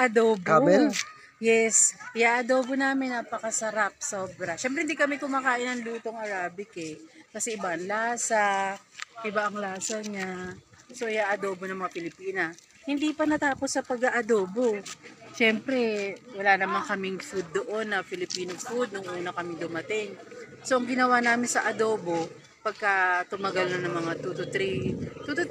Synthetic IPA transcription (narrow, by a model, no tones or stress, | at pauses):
ʔɐd̪oːbaɛl | jɛsʔɪjaʔɐd̪oːbonaːmɪnːapɐkɐsɐɾap̚so̞ːbɾɐʃɛmpɾɛhɪnd̪ikɐmɛkʊmaːkaːʔɪnɐŋluːt̪o̞ŋɐɾaːbɪkɛkɐsɛʔɪbaʔɐŋlaːsɐ | ʔɪbaʔɐŋlaːsɐɲaso̞ʔɪjaːʔɐd̪oːbonɐŋmɐŋapɪlɪpiːnɐ | hɪnd̪iːpɐnɐt̪aːposːɐpɐɡɐʔɐd̪o̞ːbo̞ʃɛmpɾɛwɐlaːnɐmaŋkɐmɪŋfud̪̚ːoʔo̞nːɐfɪlɪpiːnofud̪̚nʊŋʔuːnɐkɐmɪŋd̪ʊmɐt̪ɪŋsoʔɐŋɡɪnɐwanaːmɪnsɐʔɐd̪o̞ːbo̞ | pɐɡ̚kat̪ʊmɐɡalnonɐŋmɐŋat̪ut̪ʊt̪ɾit̪ut̪ʊ